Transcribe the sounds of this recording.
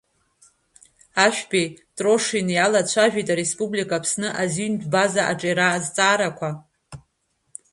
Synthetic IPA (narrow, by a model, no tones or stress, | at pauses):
aʃᶣpʼitʼro̞ʂinjalat͡ɕʷʰaʒᶣijtʼaɾespʼublikʼapʰsnɨʔazindbazaʔa̰ʈ͡ʂʼaɾaːzt͡sʼaːɾakʷʰa